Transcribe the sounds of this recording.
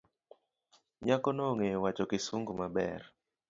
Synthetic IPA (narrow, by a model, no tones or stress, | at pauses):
ɲakɔnɔŋewat͡ʃɔkɪsuŋɡumabɛ̰ɾ